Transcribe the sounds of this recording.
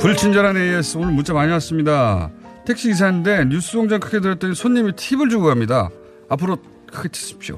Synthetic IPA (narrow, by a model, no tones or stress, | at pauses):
puɭt͡ɕʰind͡ʑaɾanees͈ɯonɯnmunt͡ɕ͈ʰamaɲiwas͈ɯmɲidatʰe̞k̚ɕ͈iis̬ʰannde̞ɲus͈ɯboŋd͡ʑʌŋkʰɯɡedɯɾjʌt͈ʌnisʰoɲːimitʰibɯɭd͡ʑuɡuɦamɲida̰ | apʰɯɾo | kʰɯɡet͡ɕʰi̥s͈ɯ̥p̚ɕ͈o̰